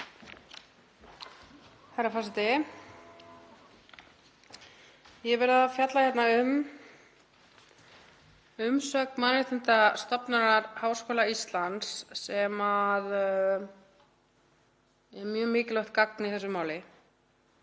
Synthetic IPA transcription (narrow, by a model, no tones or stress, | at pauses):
haɾafasɪt̪ɪ | jɛɛvɛɾaðafjat̪laçjɛt̪naʏm | ʏmsœkmaðɾɛt̪ɪnt̪ast̪ɔpnaɾaɾhaːwskoːlaist̪lant̪sːɛmað | ɛɾmjœːmɪːcɪlœht̪kakniθɛsːʏmaːwlɪ